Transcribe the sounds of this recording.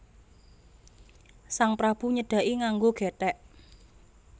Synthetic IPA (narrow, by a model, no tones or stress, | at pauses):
saŋpɾab̥ṳɲəɖ̥a̤ʔiŋaŋɡoɡ̥ɛ̤t̪ɛʔ